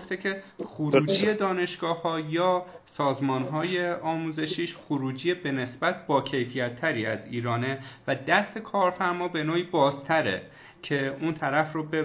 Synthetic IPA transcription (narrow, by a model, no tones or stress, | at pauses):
oft̪ecʰe̞xoɾuːd͡ʒije̞d̪ɒːne̞ʃɡ̥ɒːhɒːjɒːsɒːzmɒːnɦɒːje̞ɒːmuːze̞ʃiːʃxoɾuːd͡ʒijebe̞ne̞sbæt̪̚ʰbɒːcʰe̞jfijæt̪ʰːæɾiːæziːɾɒːne̞væd̪æst̪ʰe̞kʰɒːɾfæɾmɒːbe̞noːiːbɒːzt̪ʰæɾḛ | cʰe̞unt̪ʰæɾæfrobe